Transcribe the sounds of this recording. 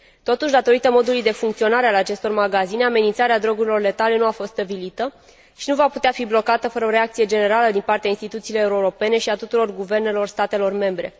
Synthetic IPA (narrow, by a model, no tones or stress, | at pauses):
t̪o̞t̪uʃʲd̪at̪o̞ɾit̪əmo̞d̪ulujd̪e̞fuŋkt̪sio̞naɾealat͡ʃe̞st̪o̞rmaɡazine̞ame̞nint̪saɾead̪ɾo̞ɡuɾilo̞rle̞t̪ale̞nuafo̞st̪t̪əbilit̪ə | ʃinuvaput̪eafiblo̞kat̪əfəɾəo̞ɾeak̚t̪sije̞d͡ʒe̞ne̞ɾaləd̪inpart̪eainst̪it̪ut̪siːlo̞euɾuɾo̞pe̞ne̞ʃiat̪ut̪uɾo̞rɡuve̞rne̞lo̞rst̪at̪e̞lo̞rme̞mbɾe̞